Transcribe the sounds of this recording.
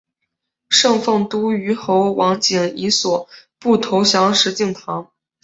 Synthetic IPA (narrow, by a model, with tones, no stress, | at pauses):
ʂɤ˥˧ŋfɤ˥˩ŋt̪u˥y˧˥xo˧˥ʊwʔɑ˧˥ŋt͡ɕi˨˩ŋi˧˥swɔ˨˩pu˥˩t̪ʰo˧˥ʊɕjɑ˧˥ŋʂɻ̩˧˥t͡ɕi˥˩ŋt̪ʰɑ˧˥ŋ